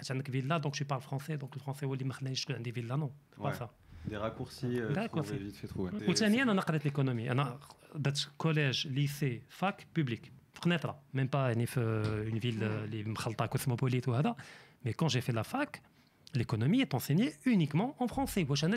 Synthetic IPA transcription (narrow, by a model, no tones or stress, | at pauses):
ħat̪ʕənd̪əkvilːad̪ɔ̃kʃwipaʁlfχɑ̃sed̪ɔ̃kləfχɑ̃sewəlːimæxəlnæʃkunʕənd̪ivilːanɔ̃fepasa | d̪eʁakuʁsid̪eʁakuʁivit̪fet̪χuwwt̪ænəjənænæqɑɾɛt̪lekonomiʔæ̰næd̪æt̪kɔlɛʒlisefakpyblikfə̥qnɛt̪ɾˤɑ̰mɛmpajaʕnifynvillimxəlt̪ˤɑkosmopolit̪whæd̪æmekɑ̃ʒefelafak | lekonomiet̪ɑ̃senjeynikmɑ̃ʔɑ̃fχɑ̃sewæʃʕənd̪